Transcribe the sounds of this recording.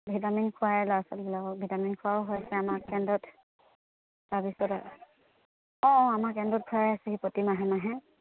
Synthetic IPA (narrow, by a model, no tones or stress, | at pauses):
bʱitaminkʰʊaɹɛlɔasɔlbilakɔbʱitaminkʰʊaɔɦɔjasɛamakɛndɔt | babisɔta | ɔ̃ɔ̃amakɛndɔt̚kʰuaɹɛasɛhipɔtimaɦɛnaɦɛ̃